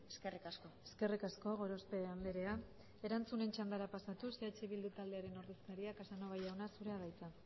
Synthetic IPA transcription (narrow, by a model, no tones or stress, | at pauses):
eskerikaskoeske̞rikasko̞ɣ̞o̞ɾo̞spe̞amb̪eɾe̞a | e̞ɾant͡sune̞nt͡ʃand̪aɾapasat̪useat͡ʃeβild̪ut̪ald̪e̞aɾe̞no̞ɾðeskaɾiakesanoβajawnasuɾe̞aðajt͡sa